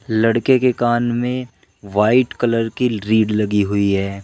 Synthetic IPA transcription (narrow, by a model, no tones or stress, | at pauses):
lɐɽkekekaːnmẽ | ʋaːɪʈkɐləɾkiɾiːɖlɐɡiɦʊiɦɛː